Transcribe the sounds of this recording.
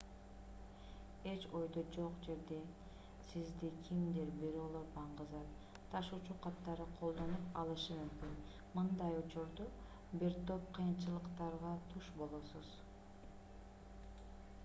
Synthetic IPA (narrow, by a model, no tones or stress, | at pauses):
e̞t͡ʃo̞jd̪od͡ʒo̞qd͡ʒe̞ɾd̪e̞ | sizd̪ikʲʰimd̪eɾbeɾolˠoɾbɑɴʁɯzɑt | t̪ʰɑʃut͡ʃuqʰɑt̪ːɑɾɯqʰo̞lˠd̪o̞nupɑlˠɯʃɯmymkyn | mɯnd̪ɑjut͡ʃuɾd̪u | biɾt̪o̞p̚qʰijɯnt͡ʃɯlˠɯqt̪ɑɾʁɑt̪ʰuʃbo̞lˠosuz̥